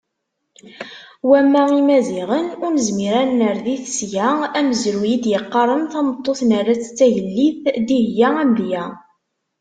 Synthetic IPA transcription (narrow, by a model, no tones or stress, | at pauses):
wæmːæimæziʁənʊnəzmiɾænnəɾðiθəsʝææməzɾujid̪jəqːɑɾˤənθɑmət̪ˤːoθnarːat͡sːt͡sːæjəlːiθd̪ihjææmðjæ